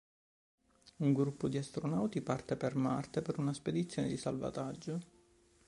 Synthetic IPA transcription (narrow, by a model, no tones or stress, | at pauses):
uŋɡɾupːʊd̪iast̪ɾonawt̪ipart̪epermart̪epeɾunasped̪it̪sːjoːned̪isa̰lva̰t̪ad͡ʒːo